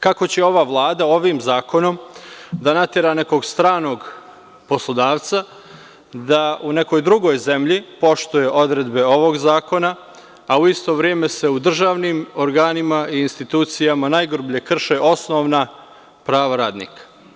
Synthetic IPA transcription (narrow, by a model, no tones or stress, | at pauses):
kako̞t͡ɕe̞o̞ʋaʋlˠaːd̪ao̞ʋiːmzaːko̞no̞md̪anat̪eɾaːne̞ko̞ɡst̪ɾaːno̞ːɡ | po̞slˠo̞d̪aːʋt̪sa | d̪aʔune̞ko̞jd̪ɾuɡo̞jze̞mʎipo̞ʃt̪uje̞ʔo̞d̪ɾe̞d̪be̞o̞ʋo̞ɡzaːko̞na | auist̪o̞ʋɾjeme̞se̞ud̪r̩ʒaːʋniːmo̞ɾɡaːnimaʔiːnst̪it̪uːt̪sijamanajɡɾubʎe̞kr̩ʃeʔo̞sno̞ʋna | pɾaːʋaɾaːd̪nḭːkḁ